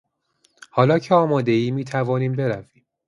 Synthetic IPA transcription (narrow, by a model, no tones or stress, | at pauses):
hɒːlɒːcʰeɒːmɒːd̪e̞iːmiːt̪ʰævɒːniːmbe̞ɾæviːm